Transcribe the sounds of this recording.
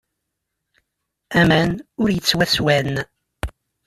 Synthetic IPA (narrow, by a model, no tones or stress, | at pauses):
æmænʊɾjət͡sːwæswæn